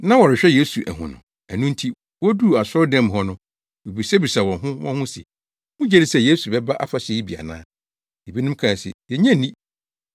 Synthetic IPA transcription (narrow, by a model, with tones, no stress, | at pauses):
nã˦wɔ˨ɾɪ˨ɕᶣɛ˦je˦su˨ʔæ̰˨ɦʊ̰̃˨nʊ̰̃˨ | æ˨nʊ̃˦n˦tʰi˦ | wɔ˦du˦˨a˨sʊ˦dɛ̃˦˨mɦɔ˦nʊ̃˦ | we˨bi˨sɛ˦bi˨sa˨wɔ̃˨ɦʊ̃˦wɔ̃˦hʊ̃˦sɪ̰˨ | mũ˦d͡ʑɛ˦ɾɪ˦sɛ˦˨jeː˦su˨bɛ˦ba˦ʔa̰˦fa˨sɪ˨i˦bi˨a̰˨nã̰ː˦ | e˨bi˦nʊ̃˦m˦kʰã˨sɪ̰˨jɛ˨ɲɛ̃˦˨nĩ˦